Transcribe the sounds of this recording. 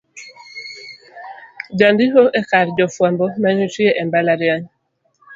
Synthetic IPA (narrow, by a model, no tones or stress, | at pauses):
d͡ʒandiɦoʔɛkaɾd͡ʒɔfwambɔmaɲut͡ʃieʔɛmbalaɾiaɲ